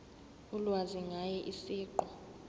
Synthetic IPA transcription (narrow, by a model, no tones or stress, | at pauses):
ulwaziŋajɛʔisiːǃɔ